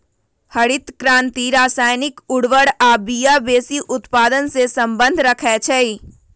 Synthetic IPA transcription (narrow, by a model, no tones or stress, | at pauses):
həɽɪt̪kɾãːnt̪iɾaːsaːjnɪkʊɽʋəɽaːbijabeːsiʔʊt̪paːd̪ənsesə̃mbə̃nd̪ʱɾəkʰɛt͡ʃʰɛi